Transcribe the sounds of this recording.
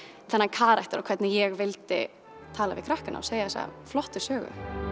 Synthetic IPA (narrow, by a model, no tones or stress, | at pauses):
θɛnːakʰaːɾajht̪ɪɾɔkʰɛt̪nɪjɛɣvɪlt̪ɪ̰ | t̪ʰaːlavɪkʰɾahkɪna̰ɔseːjaθɛsa̰flɔht̪ɪ̥sœːɣʏ̰